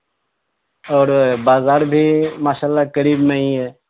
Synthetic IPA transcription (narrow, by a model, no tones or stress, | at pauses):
ɔːɾbaːzaːɾbʱimaːʃaːlːakəɾiːbmẽĩɦɛː